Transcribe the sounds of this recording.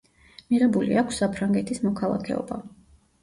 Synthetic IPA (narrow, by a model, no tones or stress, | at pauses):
miʁɛbulḭakʷʰsːapʰɾaŋɡɛt̪ʰismɔkʰalˠa̰kʰɛ̰ɔ̰ba